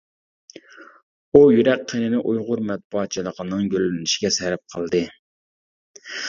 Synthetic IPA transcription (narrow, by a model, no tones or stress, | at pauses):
ujyɾɛk̚qʰːenɪnɪʔujʁʊɾmɛt̪̚buɑt̪̚t͡ʃʰilˠəqʰənɨŋɡʲølɪnɪʃi̥ɡʲɛsɛɾp̚qʰəlˠd̪ɨ